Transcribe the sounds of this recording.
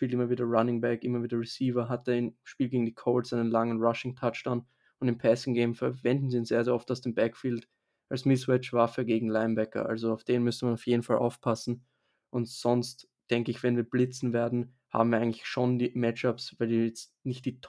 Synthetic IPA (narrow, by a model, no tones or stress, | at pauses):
ʃpiːlɪmɐviːdɐʁanɪŋbɛkʔɪmɐviːdɐʁɪsiːvɐɦat̚əɪnʃpiːlɡeːɡŋ̩dikʰoʊlsʔaɪnənlaŋənʁaʃɪŋtʰat͡ʃd̥an | ʊndɪnpʰɛsɪŋɡeɪmfɛɐvɛndn̩ziːʊnz̥eːɐzeːɐɔftaʊsd̥eːmbɛkfiːlt | ʔalsmɪsʁɛt͡ʃv̥afəɡeːɡŋ̩laɪmbɛkɐ̰ʔa̰lzoaʊfd̥eːnmʏstəmanaʊfjeːdn̩falʔa̰ʊfpʰasn̩ | ʔʊntz̥ɔnst | d̥ɛŋkəɪçv̥ɛnviːɐblɪt͡sn̩veːɐdn̩ | ha̰ːm̩viːɐaɪɡŋlɪçʃoːndiːmɛt͡ʃapsvaɪldijɛt͡stnɪçtd̥iːtʰ